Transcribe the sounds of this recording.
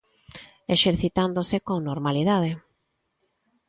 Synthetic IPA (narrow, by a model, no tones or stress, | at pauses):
eʃeɾθit̪and̪osekoŋnoɾmalið̞að̞e